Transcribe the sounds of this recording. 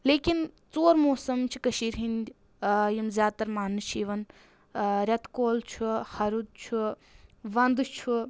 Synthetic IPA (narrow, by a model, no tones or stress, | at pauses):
leːkin | t͡soːɾmoːsɐmt͡ʃʰi̥kɐʃiːɾɦinʲd̪ʲ | jimzʲjaːt̪ɐɾmaːnɨʃʰiːʋɐn | ɾʲɐt̪koːlt͡ʃʰuhɐɾud̪̚t͡ʃʰu | ʋɐnd̪t͡ʃʰu